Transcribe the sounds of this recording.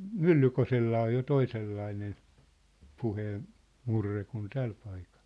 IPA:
mylːykoselːɑː jo toiselːɑinen puheːn murːe kun tæl pɑikɑ̥l̥

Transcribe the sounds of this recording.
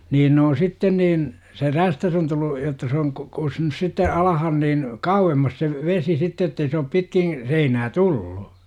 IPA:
niːn n oːn sitːen niːn se ræstæs on tulːu jotːɑ se oŋ k kusnus sitːe ɑlɑhɑn niːn kɑuwemːɑs se ʋesi sitːe etːei se op pitkĩː seinæː tulːu

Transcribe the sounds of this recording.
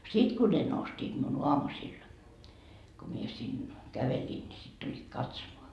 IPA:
sit ku ne nostiːt miun oɑmusil ko mie sin kæʋeliːn ni sit tulʲːiːt kɑtsomoɑ

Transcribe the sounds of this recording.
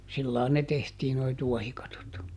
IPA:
silːɑːn ne tehtiː noi tuɔhikɑtot

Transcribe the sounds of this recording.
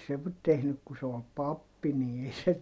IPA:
se ʋ tehnyk ku se ol pɑpːi ni ei se

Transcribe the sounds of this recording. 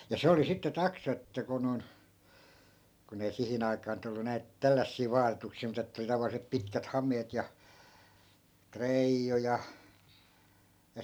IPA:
jɑ se oli sitːe tɑksɑ etːæ ku non kun ei sihin ɑi̯kɑː nyt olːu næit tælːæsːiː ʋɑːtetuksiː mut etːæ oli tɑʋɑlːisep pitkæt hɑmˑeːt jɑ treijːu jɑ jɑ

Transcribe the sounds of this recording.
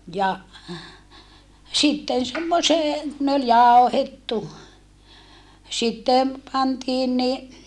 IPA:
jɑ sitːen semːoseː ne ol jɑˑohetːu sitːe pɑntiːn ni

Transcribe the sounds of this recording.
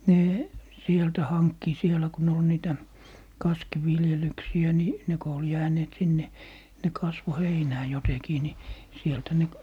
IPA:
neː sieltæ hɑnkːi sielæ ku ne ol niːtæ kɑskiʋiljelyksiæ ni ne ko ol jæːneːt sinːe ne kɑsʋo heinæː jotekiː ni sieltæ ne

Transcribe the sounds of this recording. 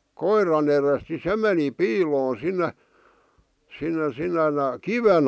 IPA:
koirɑn erest ni se meni piːloːn sinːe sinːe sinːen kiʋen

